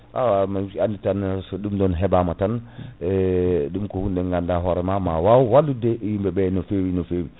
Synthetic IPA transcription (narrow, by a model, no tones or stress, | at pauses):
ʔa̰wamaianditansɔɗumdɔnɦɛbamatanɛɗumkɔhunɗɛŋɡandaɦɔɾɛmamawawwalːudɛjimbɛɓɛnɔfewinɔfewi